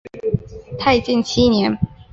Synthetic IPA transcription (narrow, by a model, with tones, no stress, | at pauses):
t̪ʰa˥˧ɪt͡ɕi˥˩nt͡ɕʰi˥njɛ˧˦n